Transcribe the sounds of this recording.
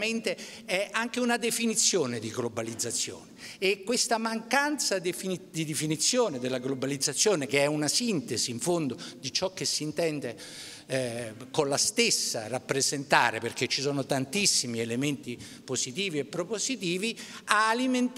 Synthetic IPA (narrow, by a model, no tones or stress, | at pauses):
ment̪e | ɛaŋkeunad̪efinit̪sːjoːned̪iɡlobalid̪zːat̪sːjo̰ːneːkːwest̪amaŋkant̪sad̪fid̪id̪efinit̪sːjoːned̪elːaɡlobalid̪zːat̪sːjoːnekeɛunasint̪eziːɱfond̪od̪it͡ʃɔkːesːiːnt̪ɛnd̪e | konlast̪esːa̰rapːɾezent̪a̰ːɾeperket͡ʃːisɔːnot̪ant̪isːimielement̪i | posit̪iːviepːɾopozit̪iːviaːliment̪